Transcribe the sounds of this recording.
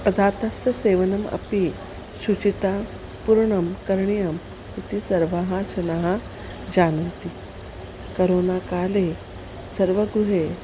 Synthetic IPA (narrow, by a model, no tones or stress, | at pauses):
ɐd̪ʱaːt̪ɐsjɐseːʋɐnɐmɐ̰pi | sut͡ʃit̪aː | puɾɳɐmkɐɾɳijɐm | it̪isɐɾʋaːɦaʃɐnaɦɐ | d͡ʒaːnɐnt̪i | kɐɾoːnaːkaːleː | sɐɾʋɐɡɾuɦeː